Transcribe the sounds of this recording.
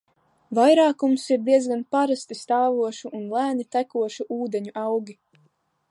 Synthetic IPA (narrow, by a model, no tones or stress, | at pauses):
vajɾaːkumsiɾd̪iɛzɡanpaɾast̪ist̪aːvuɔʃuʔːnlˠæːnit̪ækuɔʃuʔuːd̪eɲuʔawɡʲi